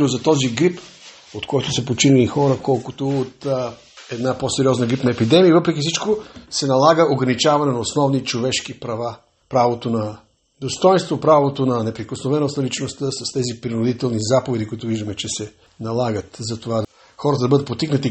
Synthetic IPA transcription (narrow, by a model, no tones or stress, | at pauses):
nozɐt̪ɔziɡɾip | ot̪kɔjt̪ʊsɐpot͡ʃinilixɔɾəkɔlˠkʊt̪oːt̪ | ɛd̪naposɛɾiɔznəɡɾipnɐɛpid̪ɛmiəvɤpɾɛk̬ʲifsit͡ʃkosɛnɐlˠaɡəʔoɡɾɐnit͡ʃavɐnɛnɐosnɔvnit͡ʃovɛʃkipɾɐva | pɾavot̪onɐ | d̪ost̪ɔjnst̪vopɾavot̪onɐnɛpɾikosnovɛnosnɐlit͡ʃnost̪əsɐst̪ɛzipɾinʊd̪it̪ɛlˠnizapovɛd̪ikʊit̪ʊviʒd̪əmɛt͡ʃɛsɛ | nɐlˠaɡət̪zɐt̪ova | xɔɾət̪əd̪ɐbɤəd̪ət̪̚pot̪iknət̪i